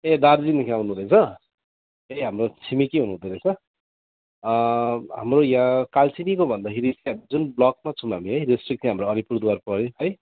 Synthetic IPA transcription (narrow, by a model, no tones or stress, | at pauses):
ed̪ard͡zinikʰawnud̪ʌjt͡sʰʌ | ejɦamrot͡sʰimikiɦunuɦũd̪ʌed̪ʌjt͡sʰʌ | ɦamrojãkalt͡sinikobʱʌnd̪akʰeɾiiɦamid͡zunblʌk̚mat͡sʰũmɦamiɦʌjrisʈrik̚sĩɦamroʌɾipuɾd̪uwarpʌɾjeɦʌj